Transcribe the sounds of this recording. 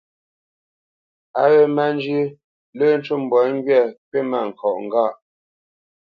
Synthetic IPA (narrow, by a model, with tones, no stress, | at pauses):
a˦ɣe˦˨ma˦˨n˦d͡ʒi˦ | lə˦˨n̩˦t͡ʃu˦˨m˨bwɔ˨˦ŋ˦ɡɥɛ˦˨pe˦ma˨ŋ̩˨kʰɔ˨ʔŋ˨ɡa˦˨ʔ